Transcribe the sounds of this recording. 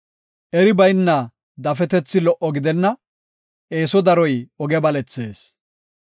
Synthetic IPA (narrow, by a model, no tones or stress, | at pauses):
ʔɛɾɪbɐjnːɐ | d̪ɐfɛt̪ɛt͡sːɪlɔʔɔɡɪd̪ɛnːɐ | ʔe̞ːsɔd̪ɐɾɔjɔɡɛbɐlɛt͡sːeːs